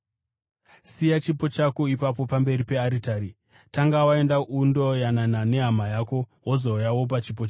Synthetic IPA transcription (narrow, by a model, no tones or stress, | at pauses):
sijat͡ʃipo̞t͡ʃako̞ipapo̞pambe̞ɾipe̞aɾitaːɾi | taŋɡawae̞ndaʔundo̞jananane̞ɦamajaːko̞wo̞zo̞ːjawo̞p̬at͡ʃip̬ot͡ʃa